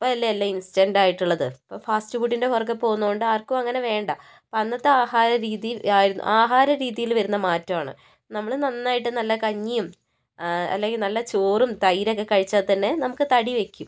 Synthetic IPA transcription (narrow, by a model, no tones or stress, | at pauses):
ipːoɭɐlːeelːɐinsi̥dendaːjiʈːuɭːɐðɨpːofaːstɨfuʈ̬ːinde̞ɦorɡɐpːo̞ːɣunːuɣoɳɖɨaːrkumɐŋːɐne̞ʋe̞ːɳɖɐ | pɐnːɐt̪ːɨaːhaːɾɐɾiːðijilaːjiɾunːṵʔaːɦaːɾɐɾiːðijilʋɐɾunːɐmaːtːɐmaːɳɨ̰ | nɐmːɐɭnɐnːaːjiʈːɨnɐlːɐkɐɲːijum | ɐ̰lːeŋɡilnɐlːɐt͡ɕoːrumt̪ɐjɾokːekɐɻit͡ɕːaːðt̪ɐnːe̞nɐmukːɨt̪ɐɽiʋe̞kʲːum